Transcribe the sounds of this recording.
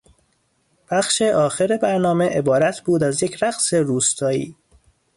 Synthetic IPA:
b̥æxʃe̞ʔɒːxeɾebæɾnɒːmeʔebɒːɾæt̪ʰbuːd̪æzjecʰɾæɣseɾuːst̪ʰɒːḭː

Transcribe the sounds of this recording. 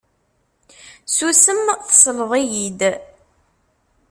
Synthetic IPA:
susəmθə̥sˤləðˤijid̪

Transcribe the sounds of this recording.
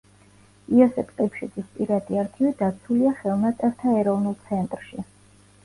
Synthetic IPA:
iɔsɛpʰq̪ʼipʰʃid̪zispʼiɾat̪ʼiaɾt̪ʰivid̪at̪sʰuliaχɛlˠnat̪sʼɛɾt̪ʰaɛɾɔvnulˠt̪sʰɛnt̪ʼɾʃi

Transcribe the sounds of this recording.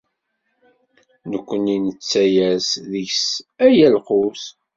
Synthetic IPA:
nəkʷːəninət͡sːæjæsðəçsæjælqʊs

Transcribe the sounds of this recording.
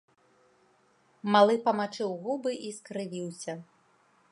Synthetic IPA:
malˠɨpɐmat͡ʂɨwɣubɨʔiskɾɨvʲiwsʲɐ

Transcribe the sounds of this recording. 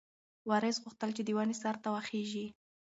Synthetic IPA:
wɑɾɪsɣʊxt̪əlt͡ʃed̪əwanesaɾt̪awaxeʒi

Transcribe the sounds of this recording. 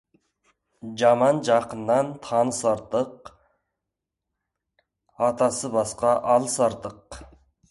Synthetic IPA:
d͡ʒɑmɑnd͡ʒɑqənd̪ɑnt̪ʰɑnsɑɾt̪əq | ɑt̪ɑsəbɑsqɑʔɑlˠsɑɾt̪əq

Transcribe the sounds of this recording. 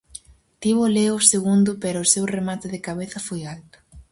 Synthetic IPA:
t̪iβʊleʊseɣund̪ʊpɛɾʊːsewremat̪ɪðɪkaβeθɐfojalt̪ʊ̥

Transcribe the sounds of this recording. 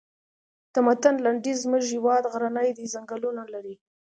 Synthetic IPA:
t̪amat̪anlaɳɖizmʊʒɪwɑd̪ɣɾanəjd̪izaŋɡalunalaɾi

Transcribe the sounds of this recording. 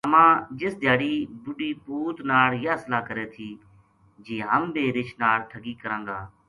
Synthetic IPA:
əmãːd͡ʒɪsd̪ʱjaːɽiːbʊɖiːpuːt̪naːɽjaːslaːkəɾeːt̪ʰiː | d͡ʒiːɦəmbeːɾɪt͡ʃʰnaːɭʈʰəɡiːkəɾãːŋɡaː

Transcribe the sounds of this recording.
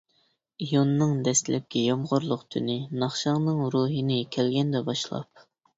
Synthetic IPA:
ijonːɨŋd̪ɛst̪lɛp̚kʲɛjomʁʊɾlˠʊqt̪ʰynɪnɑχʃɑŋnɨŋɾuːɦɨnɪkʲʰɛlɡʲɛnd̪ɛbɑʃlˠɑ̰p̚

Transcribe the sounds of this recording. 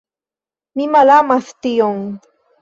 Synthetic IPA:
mimalamaθt̪ɪjoŋ

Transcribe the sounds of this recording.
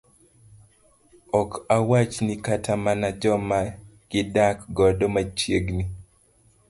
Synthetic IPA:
ɔkawat͡ʃnikatamanad͡ʒɔmaɡ̥ɪdakɡɔdomat͡ʃjeɡni

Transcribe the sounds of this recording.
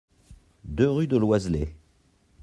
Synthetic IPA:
d̪øʁyd̪əlwazle

